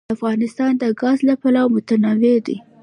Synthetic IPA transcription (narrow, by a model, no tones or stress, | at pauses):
afɣɑnɪst̪ɑnd̪əɡɑzlapalawmʊt̪anɑwed̪ḭ